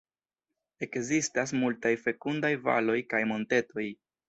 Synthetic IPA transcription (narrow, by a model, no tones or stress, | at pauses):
e̞kzistas̬multajfe̞kundajva̰lo̞jkajmo̞nte̞to̞j